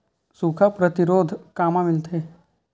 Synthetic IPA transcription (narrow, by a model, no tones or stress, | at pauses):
suːkʰapɾət̪ɪɾoːd̪ʱkaːmãmɪlt̪eː